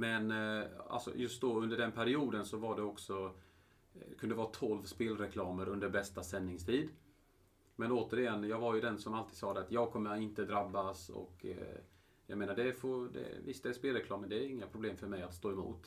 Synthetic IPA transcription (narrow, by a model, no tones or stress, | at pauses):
mɛna̰lsɔ̰jɵst̪̚d̪ɔɵnd̪əɖɛnpʰæɾɪuːd̪ənsɔvaɖɛɔksɔ | kʰɵnd̪əvɑːt̪ʰɔlvspeːlɾɛkʰlɑːməɾɵnd̪əɾbɛst̪asɛnːɪŋst̪ʰiːd̪ | mɛnoːt̪əɾɪjɛnːjɑːɡvaɾjɵd̪ɛnsɔmalt̪iːd̪sɑːd̪ɛat̪jɑːɡkʰɔmːəɾɪnt̪əd̪ɾabːasɔ̰kː | jɑ̰ɡmeːnaɖɛfod̪ɛ̰vɪst̪ɛspeːlɾɛkʰlɑːməd̪ɛːɾɪŋːapʰɾʊbleːmfœɾmɛjat̪st̪oːɛmṵːt̪